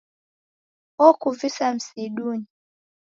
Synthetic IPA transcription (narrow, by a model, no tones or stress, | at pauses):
ɔkuvisam̩siɗuni